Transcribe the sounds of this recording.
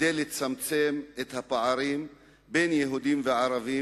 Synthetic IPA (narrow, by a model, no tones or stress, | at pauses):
dejlet͡samt͡se̞met̪hapaʕaɾim | be̞jnjeɦud̪imveʕaɾavi